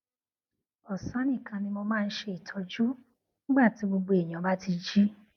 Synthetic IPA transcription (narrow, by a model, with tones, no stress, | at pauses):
ɔ˨sã˨˦nĩ˦˨kʰã˧nĩ˧mo˧mãː˦˧n̩˦ʃe˧i˨tʰɔ˨˧d͡ʒu˦ | nĩ˦ɡ͡ba˦˨ti˨˦ɡ͡bo˧ɡ͡bo˧e˨j̃ã˨ba˦ti˧d͡ʒi˦